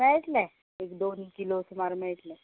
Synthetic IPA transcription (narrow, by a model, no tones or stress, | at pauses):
mɛɭʈlɛ | ekd̪onikilosmaɾmɛɭʈlɛ̃